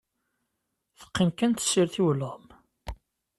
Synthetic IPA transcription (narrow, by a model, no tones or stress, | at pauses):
θə̥qːənkənt̪siɾθiwələʁm